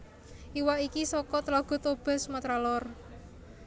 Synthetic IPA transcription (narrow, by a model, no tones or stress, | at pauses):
iwaʔikisɔkɔt̪əlaɡ̥ɔ̤t̪ob̥ɛ̤smat̪ɾalɔr